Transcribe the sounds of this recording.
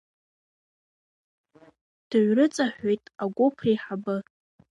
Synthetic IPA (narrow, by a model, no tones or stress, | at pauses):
d̥ɨɥʷrɨt͡sʼaħʷᶣejtʼaɡʷʊpʰriħabɨ